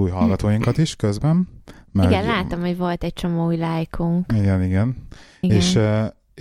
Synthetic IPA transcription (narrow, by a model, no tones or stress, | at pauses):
uːjɦɒlɡɒt̪oːjiŋkɒt̪iʃkøzbɛmmɛiɡɛnlaːt̪o̞mhoɟvo̞lt̪ɛc̚t͡ʃo̞moːujlaːjkʰuŋkiɡɛniɡɛn | iɡeːʃ